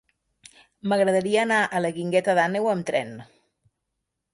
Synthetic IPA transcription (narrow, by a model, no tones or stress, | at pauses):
məɣɾəðəɾiəːnaʔələɣiŋɡɛt̪əðanewəmt̪ɾɛn